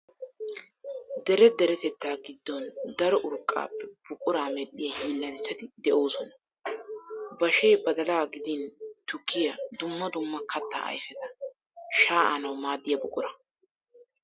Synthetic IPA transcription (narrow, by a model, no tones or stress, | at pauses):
d̪ɛɾɛd̪ɛɾɛt̪ɛt̪ːaːɡɪd̪ːɔnd̪ɐɾɔʔʊɾkʼːa̰ːpːɛb̥ʊkʼʊɾaːmɛɗːɪjɐhiːlːɐnt͡sːɐt̪ɪd̪ɛʔo̞ːsɔnɐ̥ | bɐʃeːbɐd̪ɐlaɡɪd̪int̪ʊkʰːɪjɐd̪ʊmːɐd̪ʊmːɐkʰɐt̪ːa̰ːɐ̰jfɛt̪ɐ | ʃaːʔanɐwmaːd̪ːɪjɐbʊkʼʊɾɐ